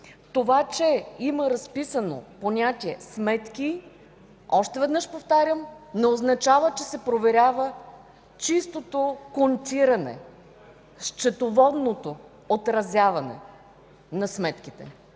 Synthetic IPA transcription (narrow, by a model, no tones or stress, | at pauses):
t̪ovat͡ʃɛiməɾɐspisəno̰ponʲat̪ʲiɛsmɛt̪ki | ɔʃt̪ɛvɛd̪nəʃpoft̪aɾʲəmnɛoznɐt͡ʃavət͡ʃɛsɛpɾovɛɾʲavə | t͡ʃist̪ot̪okont̪ʲiɾɐnɛ̰ | ʃt͡ʃɛt̪ovɔd̪not̪o | ot̪ɾɐzʲjavɐnɛ̰ | nɐsmɛt̪kʲit̪ɛ̰